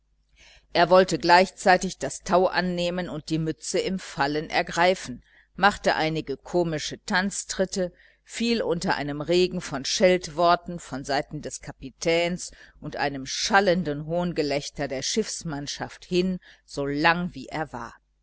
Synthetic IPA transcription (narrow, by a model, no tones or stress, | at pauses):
ʔeːɐvɔltəɡlaɪçt͡saɪtɪçd̥astʰaʊʔanːeːmənʊnt̚d̥iːmʏt͡səɪmfalənʔɛ̰ɐɡʁaɪfn̩ | maχtəʔaɪnɪɡəkʰoːmɪʃətʰant͡stʁ̥ɪtə | fiːlʔʊntɐʔa̰ɪnəmʁeːɡŋ̩fɔnʃɛltv̥ɔɐtn̩fɔnzaɪtn̩dɛskʰapitʰɛːnsʔʊntʔa̰ɪnəmʃaləndənɦoːnɡəlɛçtɐdeːɐʃɪfsmanʃafthɪnz̥oːlaŋviːʔḛːɐva̰ːɐ